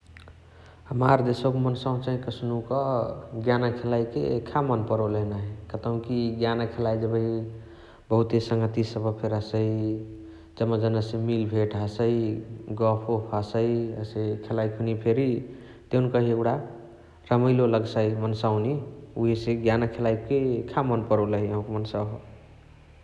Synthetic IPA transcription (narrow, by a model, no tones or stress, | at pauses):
ɦəmaɾd͡ʒesəkmənsaũnt͡ʃaɦĩkəsnukəɡjanakʰelaikḛḛkʰːamənpəɾolenaɦɛkət̪əũkiɡjanakʰelaid͡ʒəbəi | bəɦut̪esəŋɡət̪isəbəpʰeɾɦəsəi | d͡ʒəmːəd͡ʒənəsemilbʱeʈɦəsəiɡɔpʰopʰasəiəsekʰelaikʰunipʰeɾi | t̪eunkəɦieɡuɽa | ɾəməjloləɡsəimənsawniuɦiseɡjanakʰelaikekʰamənpəɾoləɦiəɦũkemənsəɦo